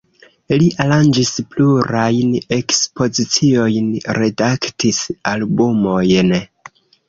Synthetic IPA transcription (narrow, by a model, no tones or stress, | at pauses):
liʔaɾand͡ʒispluɾajne̞kspo̞zit͡sio̞jnɾe̞daktisalbumo̞jn